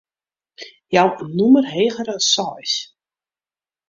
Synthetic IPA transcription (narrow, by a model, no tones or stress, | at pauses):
jawnumərɦeːɣəɾəsɔjs